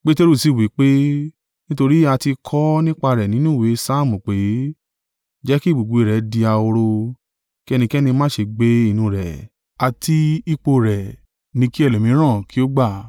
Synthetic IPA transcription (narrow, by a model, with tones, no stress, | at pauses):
k͡pe˦te˦ɾu˦˨si˦˨wi˨˦k͡pe˦ | nĩ˦to˧ɾi˦a˧ti˧kʰɔ˦nĩ˦k͡pa˧ɾɛ˨nĩ˨˦nũ˦˨we˨˦sa˦˨mũ˨k͡pe˨˦ | d͡ʒɛ˦ki˦˨ɡ͡bu˨ɡ͡bu˨i˨ɾɛ˨˦di˧a˧o˧ɾo˧ | ki˦˧nĩ˧kɛ˦nĩ˧mã˦˨ʃe˧ɡ͡be˦i˦˨nũ˧ɾɛ˨ | a˧ti˧i˧k͡po˧ɾɛ˨ | nĩ˧˦ki˦ɛ˦˨lo˨mĩ˨˦ɾ̃ã˦˨ki˦o˦ɡ͡ba˦˨